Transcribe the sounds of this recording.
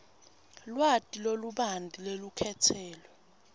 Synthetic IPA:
lwatʼiloluɓandʱʼilelukʰɛtʰɛːlɔ

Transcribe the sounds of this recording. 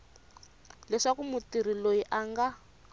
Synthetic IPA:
lɛʂakumutir̤ilojiʔaŋɡa

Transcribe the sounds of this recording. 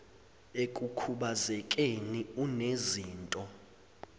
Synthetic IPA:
ekʼukʰuɓazɛkʼeniuneziːntʼɔ

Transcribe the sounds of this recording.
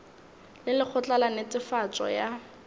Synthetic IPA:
lɪlɪk͡xʰʊt͡ɬʼalanet͡sʼɪfat͡sʼɔ̰ja

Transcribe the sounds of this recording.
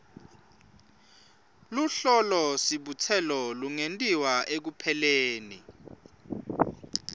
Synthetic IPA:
luɬɔlɔsiɓut͡sʰɛlɔluŋentʼiwaek̬upʰɛleːnḭ

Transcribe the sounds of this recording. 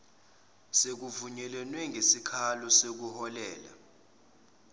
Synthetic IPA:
sek̬uvuɲɛlɛnwɛŋɡʱesikʰalɔsek̬uhɔlɛːla̰

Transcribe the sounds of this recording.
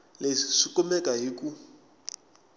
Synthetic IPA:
lesikʼumɛkʼaɦikʼu

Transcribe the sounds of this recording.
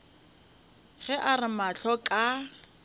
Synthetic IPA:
ɣɛʔarɪmaɬɔkʼa

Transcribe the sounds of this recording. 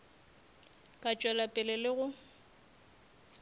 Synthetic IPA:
kʼat͡ʃʼwɛlapʼɪlɛlɪɣʊ

